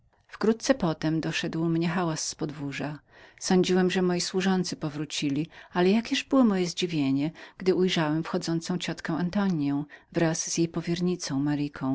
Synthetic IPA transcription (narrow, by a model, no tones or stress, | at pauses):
fkɾut̪̚t̪sɛpɔt̪ɛmd̪ɔʂɛd̪wmɲɛxawasːpɔd̪vuʐa | sɔɲd͡ʑiwɛmʐɛmɔjiswuʐɔnt̪sɘpɔvɾut͡ɕilʲialɛjakʲɛʐbɘwɔmɔjɛzd͡ʑivʲjeɲɛɡ̥d̪ɘʔujʐawɛmfxɔd̪zɔnt̪sɔ̃w̃t͡ɕɔt̪kɛ̃w̃ant̪ɔɲjɔ̃w̃vɾazz̥jejpɔvʲjɛɾɲit̪sɔ̃w̃maɾikʰɔ̃w̃